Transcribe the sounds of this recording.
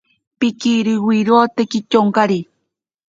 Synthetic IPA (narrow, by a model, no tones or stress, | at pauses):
pɪkiɾiwiɾoːt̪ekit͡ʃoŋkaɾi